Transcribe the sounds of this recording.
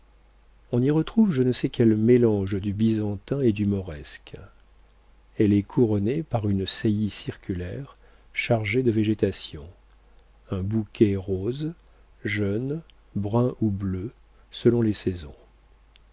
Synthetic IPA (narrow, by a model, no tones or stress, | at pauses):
ɔ̃niʁət̪χuvʒənəsɛkʲɛlmelɑ̃ʒd̪ybizɑ̃t̪ɛ̃ed̪ymɔʁɛsk | ɛlɛkʰuʁɔnepaʁynsejisiʁkʲylɛʁ | ʃaʁʒed̪əveʒet̪asjɔ̰̃ | ɛ̃bukʲʰɛʁoz | ʒœn | bʁɛ̃ʔublø | səlɔ̃lesɛzɔ̰̃